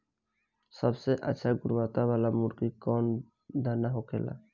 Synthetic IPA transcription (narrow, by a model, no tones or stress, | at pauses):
səbseʔə̰tːʃʰaɡʊɾʋat̪abalamuɾkikɔːn | d̪ʱənːaɦokʰḛla̰